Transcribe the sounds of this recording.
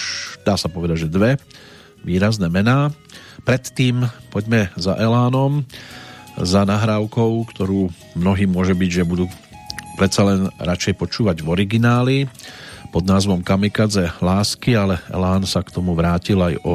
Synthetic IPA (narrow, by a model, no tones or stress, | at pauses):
d̪̥aːsapɔʋɛd̪aɟʒɛd̪ʋɛ | ʋiːɾaznɛːmɛnaː | pɾɛt̪ːiːmpɔɟmɛza̰ʔɛlaːnɔm | zanaɦɾaːʊkɔʊkt̪ɔɾuː | mnɔɦiːmʊɔʒɛbiɟʒɛbud̪uː | pɾɛt̪salɛnɾat͡ʃɛjpɔt͡ʃuːʋaɟʋɔɾiɡinaːlipɔd̪naːzʋɔmkamikad͡zɛlaːskialɛɛ̰laːnsakt̪ɔmuʋɾaːcilajɔ